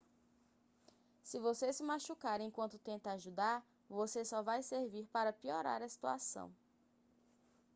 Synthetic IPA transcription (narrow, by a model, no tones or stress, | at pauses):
sɪvosesɪmaʃukaɾẽj̃kwɐ̃nt̪ʊt̪ẽnt̪ɐaʒud̪aɾ | vosesɔvajseɾviɾpaɾɐpiɔɾa̰ɾɐsi̥t̪ua̰sɐ̰̃w̃